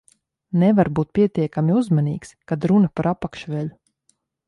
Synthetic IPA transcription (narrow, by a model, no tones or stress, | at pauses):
nɛvaɾbuːt̪̚pʲiɛt̪iɛkamʲiuzmaniːkskad̪ɾunɐpaɾʔapakʃʋɛʎu